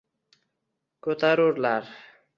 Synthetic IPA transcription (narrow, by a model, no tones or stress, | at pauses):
kot̪aɾuɾlaɾ